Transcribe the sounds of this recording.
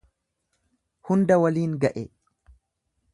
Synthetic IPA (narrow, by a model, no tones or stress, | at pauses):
hʊnd̪ɐwɐliːŋɡɐʔe